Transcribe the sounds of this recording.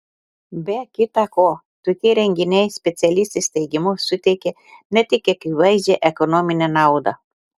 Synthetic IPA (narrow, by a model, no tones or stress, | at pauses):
bʲɛkʲɪt̪ɑkoː | t̪oːkʲɛɪɾʲɛŋʲɡʲɪnʲɛɪsʲpʲɛt̪sʲɛlʲɪsʲt̪ʲesʲt̪ʲɛɪɡʲɪmʊsʊt̪ʲɛɪkʲe | nʲɛt̪ʲɪkʲɛkʲiʋɐɪzʲd͡ʒʲeʔɛkɔnɔmʲɪnʲɛnɑˑʊd̪ɐ